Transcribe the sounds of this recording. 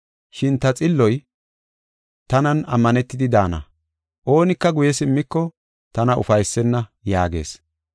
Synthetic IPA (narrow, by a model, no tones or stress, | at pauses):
ʃɪnt̪ɐt͡sʼɪlːɔj | t̪ɐnɐnɐ̰mːɐnɛt̪ːɪd̪ɪd̪aːnɐ̰ | ʔo̞ːnɪkːɐɡʊjɛsɪmːɪkːɔ | t̪ɐnɐʔʊ̰fɐjsːɛnːɐjaːɡe̞̰ːs